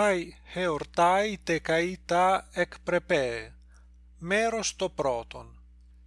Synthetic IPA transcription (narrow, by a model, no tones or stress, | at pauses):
ajheoɾt̪ajt̪ekait̪aɛkpɾepe | meɾost̪opɾɔt̪o̰n